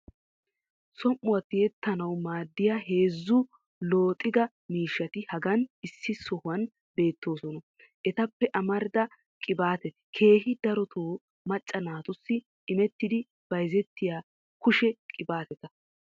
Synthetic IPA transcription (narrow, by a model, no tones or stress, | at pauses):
sɔmʔʊwɐt̪ːɪjɛt̪ːɐnɐwmaːd̪ːɪjaːɦe̞ːzːʊ | lo̞ːt̪ʼɪɡ̪ɐ | miːʃːɐt̪ɪhɐɡɐnɪsːɪsɔhʊwɐn | be̞ːt̪ːo̞ːsɔnɔ | ʔɛt̪ɐpːɛʔɐmɐɾɪd̪ɐ | kʼɪbaːt̪ɛt̪ɐ̥kʰe̞ːɦɪd̪ɐɾɔt̪ʰoː | mɐt͡ʃʼːɐnaːt̪ʊsːɪ | ʔːmɛt̪ːɪd̪ɪ | b̥ɐjzɛt̪ːɪjaː | kʊʃɛkʼɪbaːt̪ɛt̪ɐ